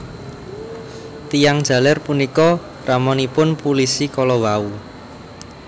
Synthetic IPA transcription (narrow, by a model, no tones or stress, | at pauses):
t̪ijaŋd̥ʒ̥a̤larpunikɔ | ramɔnipʊnpulisikɔlɔwau